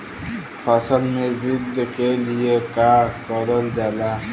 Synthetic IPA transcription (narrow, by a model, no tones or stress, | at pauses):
pʰəsəlmebid̪ʱːəkeliekaɾkɔɾəld͡ʒaːla